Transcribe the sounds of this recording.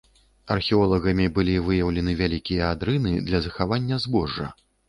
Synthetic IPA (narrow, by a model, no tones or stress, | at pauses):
ɐrxʲɛɔlˠɐɣɐmʲibɨlʲivɨjɐwlʲɛnɨvʲalʲikʲijɐad̪ɾɨnɨd̪lʲɐzɐxavanʲːɐzbɔʐːɐ̰